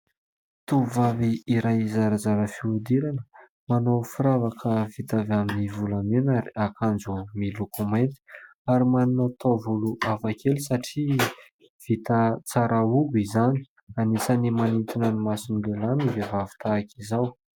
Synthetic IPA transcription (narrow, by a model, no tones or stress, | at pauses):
t̪uvaviːɾajizaɾad͡zaɾəfiud̪iɾanə | manawfiɾavakʰəvit̪avaminivulamenaɾiakand͡zumilukumant̪i̥ | aɾimaninat̪ʰovuluʔavakelisaʈ͡ʂi | v̥it̪at͡saɾʔaubizani̥ | anisanimanint̪inənimasinilelanivevavi̥t̪akʰizaw